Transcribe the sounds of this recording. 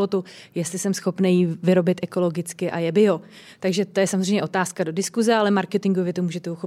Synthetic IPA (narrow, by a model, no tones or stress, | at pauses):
ot̪ujɛst̪lɪsɛmsxo̞pnejivɪɾo̞bɪt̪ʔɛko̞lo̞ɡɪt͡skɪʔa̰jɛbɪɦo̞ | t̪aɡʒɛt̪o̞jɛsamozr̝ejmɲɛʔot̪aːskado̞dɪskuzɛalɛmaɾkɛt̪ɪŋɡovjɛt̪omuːʒɛt̪ɛuxo